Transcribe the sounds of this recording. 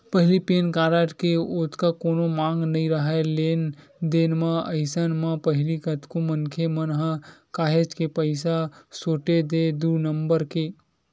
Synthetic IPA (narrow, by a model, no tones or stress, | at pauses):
pəɦɪlipeːnkaːɾaʈkeoːt̪kakoːnomãːŋɡnəĩɾəɦaleːn | d̪eːnmãəɪsənmãpəɦɪlikət̪komənkʰemənɦãkaːɦed͡ʒkepəɪsasoːʈed̪ed̪uːɾnəmbəɾke